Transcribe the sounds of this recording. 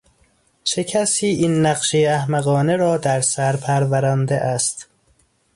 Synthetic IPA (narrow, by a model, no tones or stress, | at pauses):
t͡ʃʰe̞cʰæsiːʔinːæɢʃejeæhmæɣɒːneɾɒːd̪æɾsæɾpʰæɾvæɾænd̪eʔæst̪